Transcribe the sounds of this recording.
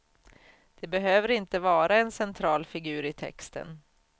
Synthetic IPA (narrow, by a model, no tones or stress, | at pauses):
d̪̥ɛbɛɦøːvəɾɪnt̪əvɑːɾaɛnsɛnt̪ʰɾɑːlfɪɡʉ̟ːɾɪt̪ʰɛ̰kst̪ə̰n